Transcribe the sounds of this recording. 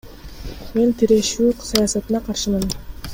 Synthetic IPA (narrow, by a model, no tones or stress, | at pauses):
me̞nt̪ʰiɾe̞ʃyːsɑjɑːsɑt̪ɯnɑqʰɑɾʃɯmɯn